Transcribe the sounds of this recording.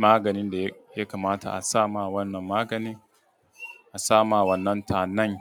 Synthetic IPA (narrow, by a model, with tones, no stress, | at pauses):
maː˦ɡɐ˨nɪ˦nda˨jja˦kaː˨maː˦ta̰˨ʔa˨saː˦maː˨wɐ˦nːɐ˨mːaː˦ɡɐ˨niː˦ | ʔa˨saː˦maː˨wɐ˦nːɐ˦ntaː˨nɐ˦ŋ